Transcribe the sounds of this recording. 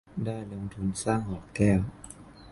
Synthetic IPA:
daː˥˩jlo˧ŋt̪ʰu˧nsaː˥˩ŋhɔː˨˩kkɛː˥˩w

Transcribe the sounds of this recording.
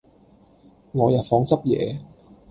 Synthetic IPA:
ŋɔː˨˧jaː˨˩fɔː˧ŋt͡sɐ˥p̚jɛ̰ː˨˧

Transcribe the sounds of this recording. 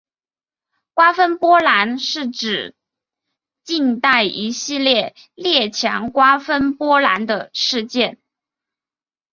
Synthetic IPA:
kwa˥fə˥npwɔ˥la˧˥nʂɻ̩˥˩ʈ͡ʂɻ̩˨˩ | t͡ɕi˥˧ŋt̪a˥˩ɪʔi˧˥ɕi˥˧ljɛ˥˩ | ljɛ˥˩t͡ɕʰjɑ̰˧˥ŋkwa˥fə˥npwɔ˥la̰˧˥nd̪ə˧ʂɻ̩˥˧t͡ɕjɛ˥˩n

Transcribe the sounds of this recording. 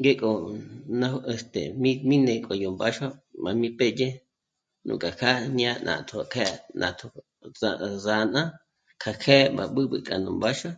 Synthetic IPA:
ŋɡe˦kʼo˧˨nã˦ʔe˧˨st̪ḛ˨mi˦mĩ˦nẽ˨kʼo˨jo˨mba˦ʃo˦ma˨mĩ˦pe˦je˦ | nṵ̃˨kʼa˨kʰa˦ɲã˦nʔã̰˨t̪ʰo˨kʰe˦nʔã̰˨t̪ʰo˧ | aza˧˨nã˦ | kʰa˨kʰe˦ba̰˨ɓɨ˦ɓɨ̰˧kʼa˨nũ˨mba˦ʃo˦

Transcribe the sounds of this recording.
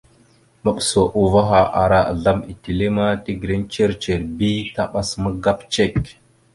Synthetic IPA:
mə˨ɓso˨ʔu˨va˦ɦa˨ʔa˨ɾa˨a̰˨ɮa˦mi˨ti˨le˦ma˦ti˦ɡɾe˦nt͡ʃe˦ɾt͡ʃe˨ɾbi˦ta˦ɓa˦smə˦ɡa˦pt͡ʃe˦˨k

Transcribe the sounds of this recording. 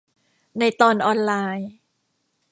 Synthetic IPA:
na˧jt̪ɔː˧nʔɔː˧nlaː˧j

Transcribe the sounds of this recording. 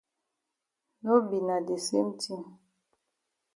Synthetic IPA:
no˦bi˨na˨de˨se˦m˦ti˦m

